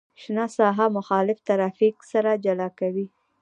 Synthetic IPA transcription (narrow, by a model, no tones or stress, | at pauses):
ʃnɑsɑɦamʊxɑlɪft̪aɾɑfiksaɾad͡ʒalɑkawi